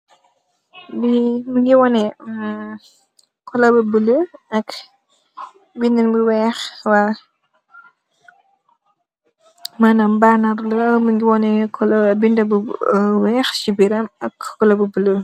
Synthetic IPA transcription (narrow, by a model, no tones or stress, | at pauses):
biməɡiwɔnɛ | kʰɔlɐbəbələɐk | bindənbəwɛːxwa | maːnambanaɾləməɡiwɔnɛkʰɔlbindɐbəwɛːxt͡ʃibiɾɐmɐkɔlɐbəbələ